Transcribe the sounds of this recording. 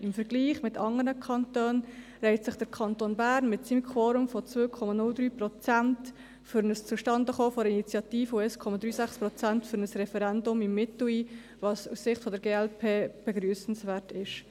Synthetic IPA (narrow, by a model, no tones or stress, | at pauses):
ɪmfəɾɡliːχmɪtɑŋənəkʰɑntøːn | ɾɛɪtsɪχd̥əɾkʰɑntoːnbæːɾnmɪtsimkʰoːɾʊmfɔt͡svøːkʰɔmɑnʊld̪ɾyːpɾɔt͡sænt | fʏɾnəst͡suʃtɑndəχoːfɔɾəinit͡sjɑtiːfəuɛskʰɔmɑd̪ɾyːsæχspɾɔt͡sæntfʏɾnəsɾɛfɛɾɛndʊmɪmːɪtʊiː | vɑsussɪχtfɔdəɾɡeːɛlpʰeːb̥ɛɡɾyːsn̩svæːɾtɪʃ